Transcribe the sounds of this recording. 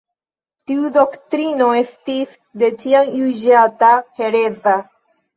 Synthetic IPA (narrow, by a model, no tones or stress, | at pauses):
t̪iud̪o̞kt̪ɾino̞e̞st̪is | d̪e̞t͡ʃiaŋjuʒat̪ahe̞ɾeza